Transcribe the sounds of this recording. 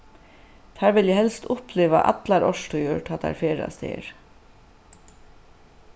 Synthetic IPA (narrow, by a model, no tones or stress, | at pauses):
t̪hæːɹʋɪljæhɛlst̪ʰʊpʰleːʋɑ̰ʔɑ̰t̪lɑɾʔɔʃʈʊjuːʈʰɑt̪æ̰ːɾfeːɹɑ̰st̪ʰḛːɹ